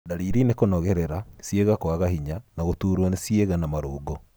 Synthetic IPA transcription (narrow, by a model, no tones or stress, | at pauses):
daɾiɾinekonɔɣɛɾɛɾasieɣakoaɣaɦiɲanaɣotuːɾwanesieɣanamaɾoːɡɔ